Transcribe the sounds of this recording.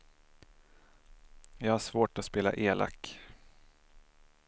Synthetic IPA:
jɑːɡhaʂvoːʈɔspeːla̰ʔeːlʔa̰kː

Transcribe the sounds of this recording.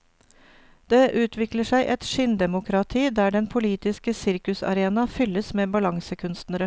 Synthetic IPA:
d̪̥eːʔʉːt̪ʰʋɪkləʂæɪʔɛt̪ʃʏnd̪ɛmʊkʰɾɑt̪ʰiːd̪æːɖɛnpʰʊliːt̪ɪskəsɪɾkʉsɑ̰ɾeːnɑfʏləsmeːbɑlɑŋsəkʰʉnst̪nəɾə

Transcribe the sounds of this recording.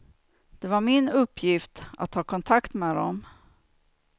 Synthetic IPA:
d̪̥ɛvaɾmɪnɵpʰːjɪft̪a̰t̪hɑːkʰɔnt̪ʰakt̪mɛːd̪ɔ̰m

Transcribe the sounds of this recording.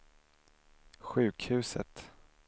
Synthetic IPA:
ɧʉ̟ːkhʉ̟ːsət̪

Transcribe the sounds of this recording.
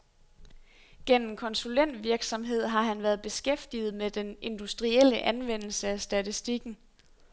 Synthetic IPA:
ɡ̥en̰m̩kʰɒ̽nsulen̰d̥ʋiɐɡ̥sɒ̽mɦe̝ð̞̰ˠɦɑ̈ɦænʋæɐð̞ˠb̥e̝sɡ̥efd̥ið̞̩ˠmed̥ene̝nd̥usd̥ʁiel̰əʔænʋen̰l̩səæsd̥æt͡sʰisd̥iɡ̥n̩

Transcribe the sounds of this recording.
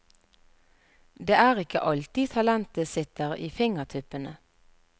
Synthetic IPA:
d̪eːæːʁɪkə̰ʔɑlt̪ɪt̪ʰɑlɛnt̪əsɪt̪əʁḭːfɪŋəʁt̪ʰʏpənə

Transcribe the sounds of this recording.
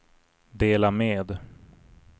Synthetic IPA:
d̪eːlameːd̪

